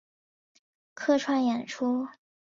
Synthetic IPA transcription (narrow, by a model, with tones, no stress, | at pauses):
kʰɤ˥˧ʈ͡ʂʰwa˥njɛ˨˩nʈ͡ʂʰu˥